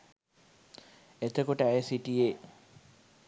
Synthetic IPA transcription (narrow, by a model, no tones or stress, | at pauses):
et̪əkuʈəæjesiʈije